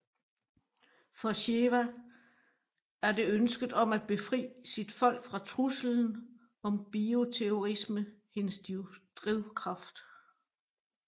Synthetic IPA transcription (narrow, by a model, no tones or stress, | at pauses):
fɒɕeʋæ | æɐde̝ønsɡ̥ð̩ˠɒ̽mæd̥̚b̥e̝fʁḭːsid̥fɒ̽l̰ɡ̥fʁɑ̈t͡sʰʁusl̩n̩ | ɒ̽mb̥io̝t͡sʰeo̝ʁisməhe̝nəsd̥d̥ʁiʊkʰʁɑ̈fd̥